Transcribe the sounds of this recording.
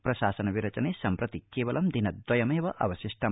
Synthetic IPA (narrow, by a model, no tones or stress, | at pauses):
pɾɐʃaːsɐnɐʋiɾɐt͡ʃɐneːsɐmpɾɐt̪ikːeːʋɐlɐmd̪inɐd̪wɐjɐmeːʋɐʔɐ̰ʋɐʃiʂʈɐ